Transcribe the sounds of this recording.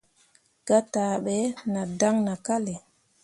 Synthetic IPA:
ɡ̥a˦ta˨ɓɛ˨˦na˨da˦ŋna˨ka˦le˨

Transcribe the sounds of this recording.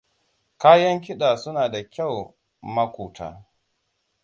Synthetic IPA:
kaː˦jɐ˦ŋkʲɪ˦ɗaː˨sʊ˦naː˨da˨kʲa˦˨w | mɐ˦kʷuː˨tʰa̰ː˦

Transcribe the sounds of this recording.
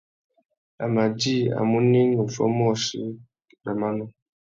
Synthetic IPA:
a̰˨ma˨d͡ʒi˦˨a̰˨mu˦ni˦ŋu˨fɔ̰˦m˦ɔ˦˨ʃḭ˨˦ | ba˨ma˦nɔ˨

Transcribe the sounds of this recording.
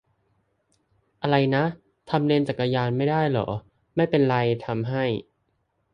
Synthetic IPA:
ʔa˧ɾa˧jna˦˥ʔ | t̪ʰa˧mli˧nt͡ɕa˨˩k̚ːa˧jaː˧nma˥˩jdaː˥˩jlɔ̰˩˦ | ma˥˩jpe˧nɾa˧jt̪ʰa˧mɦa˥˩j

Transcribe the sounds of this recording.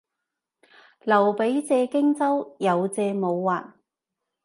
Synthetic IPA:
lɐ˨˩wpe˨˥jt͡sɛː˧kɪ˥ŋt͡sɐ˥wjɐ˨˧wt͡sɛː˧mo˨˧wːaː˨˩n

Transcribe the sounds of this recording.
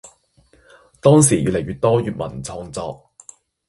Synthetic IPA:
t̪ɔː˥ŋs̬iː˨˩ʔy̰ː˨lɐ˨˩jɥyː˨˧t̚t̪ɔː˥jyː˨t̚mɐ̰˨˩nt͡sʰɔː˧ŋt͡sɔː˧k̚

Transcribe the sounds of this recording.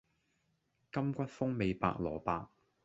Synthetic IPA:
kɐ˥mkʷɐ˥t̚fʊ˥ŋme˨˧jpa̰ː˧k̚lɔ̰ː˨˩paː˧k̚

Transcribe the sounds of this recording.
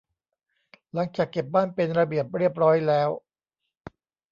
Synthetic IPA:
la˩˦ŋt͡ɕaː˨˩kːe˨˩p̚baː˥˩npe˧nɾa˧bi˨˩əp̚ɾi˥˩əp̚ɾɔː˦˥jlɛː˦˥w

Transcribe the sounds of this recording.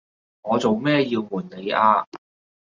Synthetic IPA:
ŋɔː˨˧t͡so˨wmɛː˥jiː˧wmuː˨˩nne˨˧jʔaː˧

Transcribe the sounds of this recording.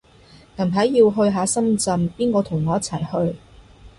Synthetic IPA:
ŋɐ˨˩mɦɐ˨˥jːiː˧wɦɵ˧ɥɦaː˨˥sɐ˥mt͡sɐ˧mpiː˥nkɔː˧t̪ʰʊ˨˩ŋɔː˨˧jɐ˥t͡sʰɐ˨˩jhɵ˧ɥ

